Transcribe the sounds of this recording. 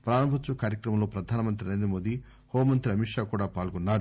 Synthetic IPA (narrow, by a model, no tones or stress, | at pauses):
pɾaːɾɐmbʱɐt̪t͡ʃːukaːɾjɐkɾɐmɐmlo̞ːpɾɐd̪ʱaːnɐmɐnt̪ɾiɐnɐnd̪ɐmoːd̪i | hoːmɐnt̪ɾiɐmiʂaːkuːɽaːpaːlɡɔnːaːɾu